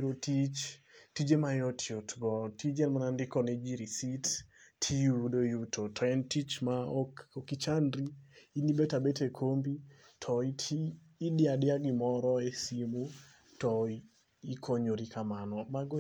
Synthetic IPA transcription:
ɾotit͡ʃtid͡ʒemajɔtʰjotɡɔtid͡ʒɛlmanandɪkɔnɛd͡ʒiɾisitːʰijudojutotʰɛntit͡ʃmaokit͡ʃanɾiːnibetabetekʰombi | tʰɔitʰiː | dɪadɪaɡɪmɔɾɔesimu | tɔi | ikʰoɲoɾikʰamanɔmaɡɔ

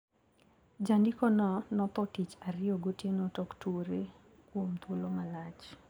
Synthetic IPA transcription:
d͡ʒandɪkɔnɔnɔt̪ɔtit͡ʃaɾɪɔɡotjenotɔktwoɾe | kwomt̪wolomalat͡ʃ

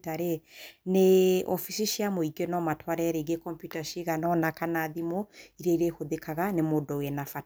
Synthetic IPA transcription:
taɾeneɔfisiʃiamoiɡenɔmatʰwaɾɛɾeɡekɔmpjutaʃiɣanɔnakanaðimoiɾaiɾehoðekaɣanemodɔwɛnafa

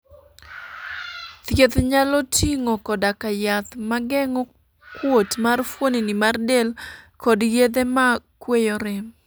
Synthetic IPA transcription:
t̪jet̪ɲalɔtʰiŋɔkɔdakajat̪maɡɛŋɔ | kwotmarfwoninimardelkʰɔdjed̪emakwejoɾem

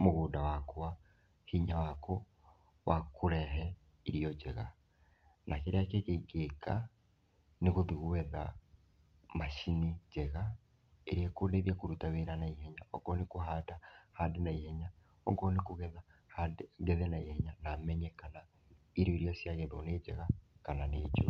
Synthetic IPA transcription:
muɣuːdawakuwa | hiɲawakʰo | βakuɾɛɦɛ | iɾijod͡ʒɛ̰ɣa̰ | nakeɾeakekeɡeka | nekuðiɣuwɛða̰ | maʃinid͡ʒɛɣa | ḛɾiekoneðiakuɾutaβeɾanaiheɲao̰ɡonekuɦaːtahandenaiheɲa | oɡonikuɣɛðahadɡɛðɛnaiheɲanamɛɲɛkana | iɾioiɾijasjaɣeðoned͡ʒɛ̰ɣakananḛːd͡ʒo̰

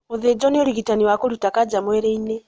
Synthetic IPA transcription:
muðed͡ʒɔneoɾiɣitaniwakoɾutakad͡ʒamweɾeine

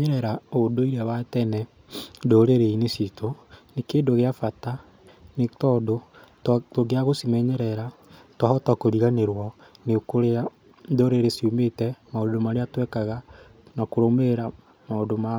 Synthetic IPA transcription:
ɲɛɾɛɾaodoiɾeawatɛnɛ | doːɾeɾeinesitonekeːndoɣeafata | netɔdo | ttoɣeaɣosimɛɲɛɾɛɾatwahɔtakoɾiɣaneɾwɔ | nekoɾea | doɾeɾesiumetɛmaodomaɾeatwɛkaɣa | nakoɾomeɾa | maodoma

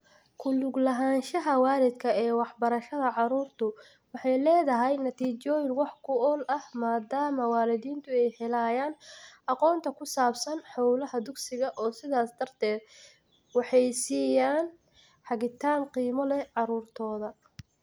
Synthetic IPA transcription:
kʰʊlʊɡlɐɦaːnʃɐɦɐwaːɾɪd̪kʰɐɛːwɑħbɐɾɐʃɐðɐʕɑɾuːrt̪ʰʊ | wɑħɑjlɛːðɐɦɛjnɐt̪ʰiːt͡ʃɔːjɪŋwɑħkʰʊɔlɐhmaːd̪aːmɐwaːlɪðiːnt̪ʰʊɛjhɛlaːjaːnɑqɔːnt̪ʰɐkʰʊsaːbsɐnħɑwlɐɦɐd̪ʊɡsɪɣɐʔɔːsɪðaːsd̪ɐrt̪ʰɛːd̪ | wɑħɑjsiːjaːn | ħɑɣɪt̪ʰaːnqiːmɔlɛʕɑɾuːrt̪ʰɔːðɐ

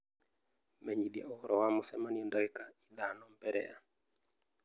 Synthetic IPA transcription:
mɛɲiɗia̰ɔɾɔwamɔsɛmaniondɔɛkailanɔm̩bɛɾɛ̰ja̰

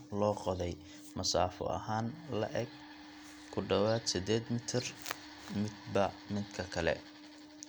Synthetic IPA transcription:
lɔːqɔðɛj | mɐsaːfɔ̰ʔɐ̰ɦaːnlɐ̰ʔɛɡ̚ | kʰʊɖɐwaːd̪sɪd̪ɛːd̪mɪt̪ʰɪr | mɪd̪bɐ | mɪd̪kʰɐkʰɐlɛ̰

